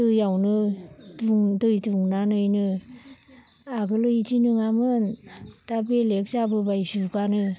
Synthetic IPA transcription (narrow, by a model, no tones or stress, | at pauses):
tɯjawnɯtuŋdɯjtuŋnanɯjnɯ | aɡɯlɯitinɯŋamɯntabelek̚sabɯbajsukanɯ